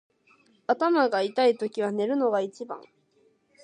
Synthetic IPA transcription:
at̪amaɡait̪ait̪o̞kʲiβ̞ane̞ɾɯ̟no̞ɡait͡ɕibã̰ŋ

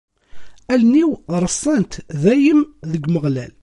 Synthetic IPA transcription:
ælniwɾˤəsˤːænt̪ðæjəmðəɡməʁlæl

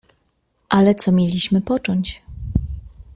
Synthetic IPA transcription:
ʔalɛt̪sɔmʲjelʲiɕmɘpɔt͡ʂɔɲt͡ɕ

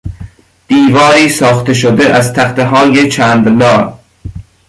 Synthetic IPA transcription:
b̪̥iːvɒːɾiːsɒːxt̪eʃ̬od̪eʔæzt̪ʰæxt̪eɦɒːjet͡ʃʰæːnd̪lɒːɾ

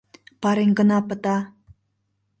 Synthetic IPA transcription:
pɑɾeŋɡə̆nɑpə̆t̪ɑ

